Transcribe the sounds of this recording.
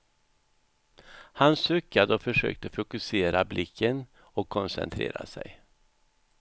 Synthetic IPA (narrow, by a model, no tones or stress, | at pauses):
hansɵkːad̪əɔfœʂø̰ːk̚t̪əfʊkɵseːɾablʔɪkʰːən | ɔkʰːɔnsɛ̰nt̪ʰɾḛːɾa̰sɛ̰j